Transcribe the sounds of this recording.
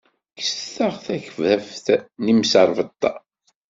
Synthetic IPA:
ksθəʁθæçəvðæfθnimsəɾˤvət̪ˤːɑ̰

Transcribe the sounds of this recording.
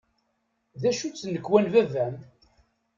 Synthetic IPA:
ðæʃut͡sːnəkːwænvævæm

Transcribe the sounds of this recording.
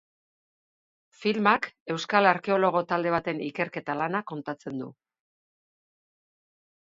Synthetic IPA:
filmake̞wskalaɾke̞o̞lo̞ɣ̞o̞t̪ald̪e̞β̞at̪e̞nike̞ɾke̞t̪alanako̞nt̪at͡se̞nd̪ṵ

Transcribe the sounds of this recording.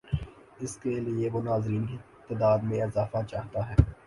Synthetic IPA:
ɪskelieʋonaːzɾiːnki | t̪əd̪aːd̪mẽɪzaːfat͡ʃaːɦt̪aɦɛː

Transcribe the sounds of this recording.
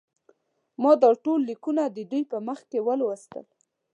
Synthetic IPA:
mɑd̪əɾʈolːikunad̪əd̪ujpəməxkewəlwəst̪ə̰l

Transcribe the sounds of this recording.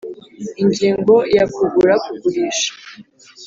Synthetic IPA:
iɲɟiːŋɡo̞jakuɡuɾakuɡuɾiːʃḁ

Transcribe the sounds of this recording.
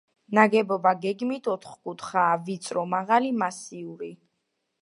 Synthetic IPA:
naɡɛbɔbaɡɛɡmit̪ʰɔt̪ʰχkʼut̪ʰχaːvit̪sʼɾɔmaʁalimasiuɾi

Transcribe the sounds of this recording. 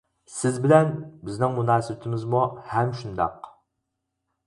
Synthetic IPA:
sɪzbɪlɛnbɪznɪŋmunɑːsɨbt̪ʰɪmɪzmuhɛmʃund̪ɑ̰q

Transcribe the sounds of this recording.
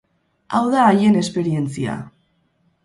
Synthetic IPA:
awðaːje̞ne̞spe̞ɾie̞nt͡sia̰

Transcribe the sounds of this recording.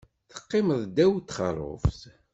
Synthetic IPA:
θə̥qːɪməðˤd̪æwt̪ːχə̰ɾˤʊ̰fθ

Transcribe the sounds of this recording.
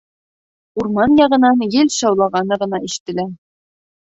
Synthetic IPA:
uɾmɑnjɑʁɤ̆nɑnjɘlɕɑwlˠɑʁɑnɤʁɤ̆nɑiɕɘ̥̆t̪ːɘ̆læɾ

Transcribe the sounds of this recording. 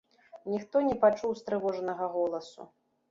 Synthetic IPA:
nʲixt̪ɔnʲɛpat͡ʂuwst̪ɾɨvɔʐnɐɣɐɣɔlˠɐsṵ

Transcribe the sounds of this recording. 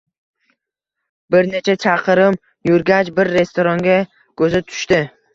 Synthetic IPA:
bɪɾne̞t͡ʃʰat͡ʃʰaqʰɨɾɪm | jʊɾɡʲat͡ʃbɪɾːe̞st̪oɾɒŋɡʲa | kʰɵzɪt̪ʰʊ̥ʃt̪ɪ

